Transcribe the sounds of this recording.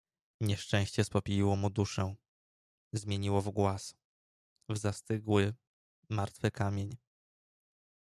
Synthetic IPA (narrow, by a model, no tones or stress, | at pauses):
ɲɛʂt͡ʂɛ̃w̃ɕt͡ɕɛspɔpʲijiwɔmud̪uʂɛ | zmʲjeɲiwɔvɡwas | vzast̪ɘɡwɘ | maɾt̪fɘkamʲjeɲ